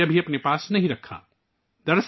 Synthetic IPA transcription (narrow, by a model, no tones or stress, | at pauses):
ɐbʱiɐpnepaːsnɐɦĩɾɐkʰːa̰ː | d̪ɐɾs